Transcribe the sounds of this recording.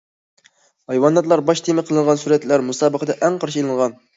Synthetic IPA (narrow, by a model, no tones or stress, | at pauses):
hɑjwɑnːɑt̪lˠɑɾbɑʃt̪ʰemɪqʰəlˠɨɴʁɑnsuɾɛt̪læɾmusɑːbəqəd̪ɛʔɛŋqʰɑɾʃilˠɨɴʁɑn